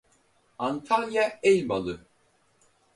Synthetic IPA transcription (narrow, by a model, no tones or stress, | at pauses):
ant̪ʰalʲjaɛjmalˠɯ